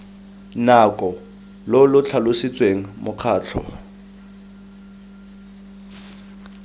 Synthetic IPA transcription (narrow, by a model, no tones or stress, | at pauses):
nakʼɔ | lɔlʊt͡ɬʰalʊsit͡sʼweŋ̩mʊq͡χʰaːt͡ɬʰɔ̰